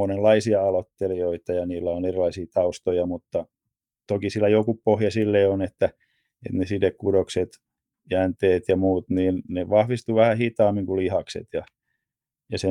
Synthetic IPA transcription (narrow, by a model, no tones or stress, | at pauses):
onellɑisiɑɑlot̪ːelioit̪ɑjɑniːlːæonerilɑisiːt̪ɑust̪ojɑmut̪ːɑ | t̪okisilːæjokupohjɑsilːeːonet̪ːæ | ḛt̪nesidekkudokset̪ | jænt̪eːt̪jɑmuːt̪niːnneʋɑhʋist̪uʋæhæhit̪ɑːmːiŋkulihɑksḛt̪jɑ | jɑse